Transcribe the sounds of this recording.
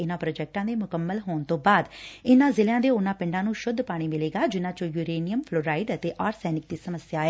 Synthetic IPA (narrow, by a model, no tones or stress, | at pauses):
ɪnãːpɾoːd͡ʒɛːk̚ʈãːd̪eːmʊkəmːəlɦoːɳt̪õːbaːd̪ɪnãːzɪljãːd̪eːʊnãːpɪ̃ɳɖãːnũːʃʊd̪paːɽ̃iːmɪleːɡaːd͡ʒɪnãːt͡ʃõːjuːɾeːnɪjəmpʰloːɾaːiɖət̪eːʔaːɾsɛːnɪk̚d̪iːsəməsjaːeː